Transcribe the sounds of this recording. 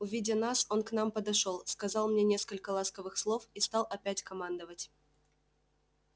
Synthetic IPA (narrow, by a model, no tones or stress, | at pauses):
uvʲidʲənɑsonknɑmpəd̪aʂolˠskazɑlˠmnʲenʲeskəlʲkəlˠɑskəvɨxslˠo̞fist̪ɑlˠɐpʲætʲkɐmɑnd̪əvətʲ